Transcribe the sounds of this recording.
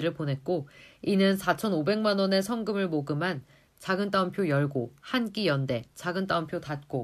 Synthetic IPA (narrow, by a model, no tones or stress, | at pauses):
ɾɯɭponɦe̞t̚k͈oinɯnsʰat͡ɕʰʌnobe̞ŋmanwʌne̞sʰʌŋɡɯmɯɭmoɡɯman | t͡ɕaɡɯnt͈aɯmpʰjojʌɭɡohank͈ijʌnde̞t͡ɕaɡɯnt͈aɯmpʰjotat̚k͈o